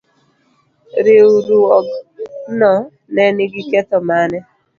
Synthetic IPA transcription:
ɾeuɾuɔnɔ | nɛnɪɡikɛtɔmanɛ

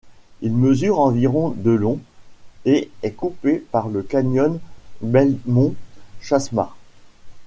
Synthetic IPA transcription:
ilməzyʁɑ̃viʁɔ̃d̪əlɔ̃ | eɛkupepaʁləkaɲɔnbɛlmɔ̃ʃasma̰

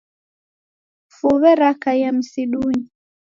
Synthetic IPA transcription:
fuβɛɾakajam̩siɗuɲi

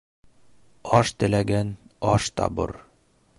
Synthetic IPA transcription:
ɒʃt̪ɘ̆læɡænɒʃt̪ɒ̰bɤ̰ɾ

